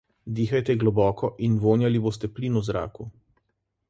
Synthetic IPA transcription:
d̪iːxajt̪ɛɡlɔbɔːkʰɔʔinʋoːnjaliboːs̬t̪ɛpliːnuzɾa̰ːku

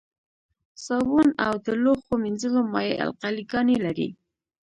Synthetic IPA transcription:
sɑwunawd̪əloxominzəlomɑjeʔa̰lqaliɡɑnelaɾḭ

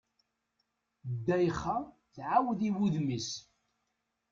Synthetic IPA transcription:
d̪ːæjχːa | θʕawðiwuðmis

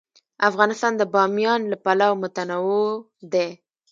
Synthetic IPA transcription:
afɣɑnɪst̪ɑnd̪əbɑmjɑnlapalawmʊt̪anawo | d̪e

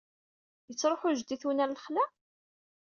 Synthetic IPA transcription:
jət͡sːɾˤoħʊʒd̪iθwnæɾləχlæ

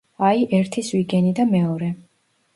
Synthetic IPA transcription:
aiʔɛɾt̪ʰiswiɡɛnid̪amɛɔɾɛ

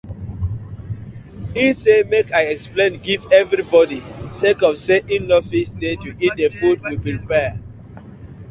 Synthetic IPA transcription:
ĩnsemekaɪɛksplẽnɡivɛvɹibɔdisekɔfseʔĩnnɔfistetuit̚defud̚wipiɾipɛ

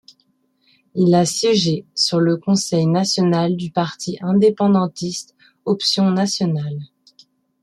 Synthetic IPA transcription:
ilasjɛʒesyʁləkɔ̃sɛjnasjɔnald̪ypaʁt̪ʰiʔɛ̃d̪epɑ̃d̪ɑ̃t̪ist̪ | ɔpsjɔ̃nasjɔnal

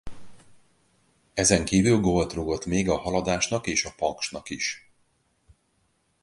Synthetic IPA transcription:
ɛzɛŋkiːvylɡo̞lt̪roɡo̞t̪meːɡɒɦɒlɒd̪aːʃnɒkeːʃɒpɒŋkʃnɒkiʃ

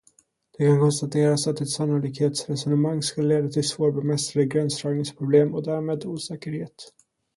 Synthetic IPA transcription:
d̪̥ɛkʰankʰɔnst̪at̪ʰeːɾasat̪d̪ɪt̪sanːʊliːkheːt̪sɾɛsɔnəmaŋːskɵləleːd̪at̪ʰɪlsvoːɾbɛmɛst̪ɾad̪əɡɾɛnst̪ɾœːɡnɪŋspʰɾʊbleːmɔd̪æːɾmeːd̪uːsɛːkəɾheːt̪

